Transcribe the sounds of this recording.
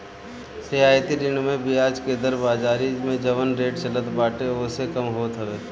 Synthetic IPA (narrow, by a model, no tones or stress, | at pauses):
sɪɦaːjt̪id̪ɪɳmẽbiaːd͡ʒked̪əɾbaːd͡ʒaːɾimẽd͡ʒɐʋənɾeːʈt͡ʃələt̪baːʈeoːsekɐmɦoːt̪ɦəʋeː